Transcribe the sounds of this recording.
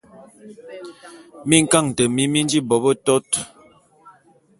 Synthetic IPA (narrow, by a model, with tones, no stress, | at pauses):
mi˦ŋ̩˦ka˦˨ŋ˨tə˨mi˦mi˦n˦d͡ʒi˦bɔ˨bə˦tɔ˦t